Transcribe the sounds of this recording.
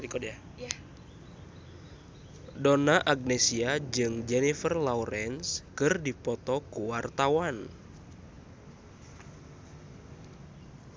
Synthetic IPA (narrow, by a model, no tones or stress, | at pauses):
ɾikɔdja | donaʔaɡ̚nɛsiad͡ʒɨŋd͡ʒɛnifərlauɾɛnskɨrdipɔt̪ɔkuwart̪awan